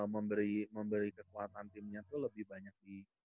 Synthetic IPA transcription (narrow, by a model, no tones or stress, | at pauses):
məmbəɾiməmbəɾikəkuat̪ant̪ɪmɲat̪uləbɪhbaɲak̚di